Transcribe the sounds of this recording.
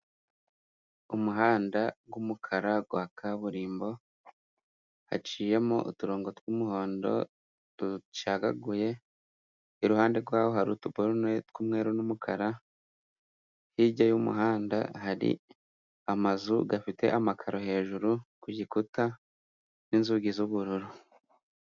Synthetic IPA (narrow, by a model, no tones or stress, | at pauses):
umuɦaːndaɡwumukʰaɾaɡwaːkʰaβuɾiːmbo̞ | ha̰t͡ʃiːje̞moʔutuɾoːŋɡo̞twumuho̞ːndo̞̰ | ɾut͡ʃaɡaɡuje̞ | iɾuhaːnde̞ɾɡwaːwoɦaɾutuboɾunetkumŋe̞ːɾunumukʰaɾa | hiɟajumṵɦaːnda̰haɾḭ | amazuɡafite̞̰ʔamakʰaɾo̞ɦe̞ːʒuɾukuɟikuta | ninzuɡizuβuɾuɾu